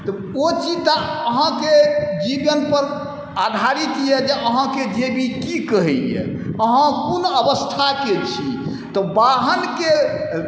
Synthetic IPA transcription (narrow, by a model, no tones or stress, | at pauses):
t̪ɔ | ot͡ʃid͡ʒt̪aəɦãked͡ʒibənpəɾ | ad̪ʱaɾit̪jɛd͡ʒeʔəɦãked͡ʒebʱikikəɦɛjɛ̰ | əɦãkonəbəst̪ʰaket͡ʃʰi | t̪ɔbaɦənke